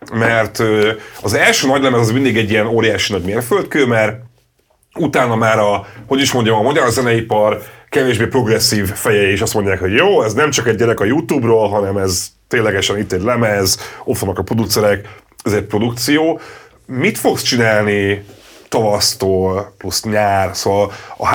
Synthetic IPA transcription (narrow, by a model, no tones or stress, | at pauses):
mɛrt̪øɒzɛlʃøːnɒɟlɛmɛzɒzmind̪iɡɛɟːijɛnoːɾijaːʃinɒɟmeːrfølt̪̚køːmɛr | ut̪aːnɒmaːɾɒho̞ɟiʃmo̞ɲɟɒmɒmɒɟɒɾzɛnɛipɒrkɛveːʒbeːpro̞ɡrɛsːiːvfɛjɛiʃɒst̪mo̞ɲɟaːkɦo̞ɟjoːɛznɛmt͡ʃɒkɛɟ̚ːɛɾɛkɒjut̪uːbroːlɦɒnɛmɛzt̪eːnlːɛɡɛʃɛnit̪ːɛɟlɛmɛzofonːɒkɒpro̞d̪ukt̪sɛɾɛk | ɛzɛc̚pro̞d̪ukt̪sijoː | mit̪fo̞kst͡ʃinaːlnit̪ɒvɒst̪oːlplusɲaːrsoːvɒlɒ̰